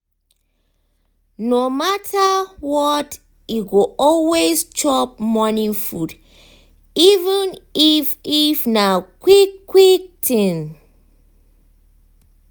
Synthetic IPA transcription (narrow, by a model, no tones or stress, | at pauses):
nomatʰawɔt | iɡoɔlwezt͡ʃɔp̚mɔnĩŋfud | ivə̃nififnakwikːwik̚tʰĩn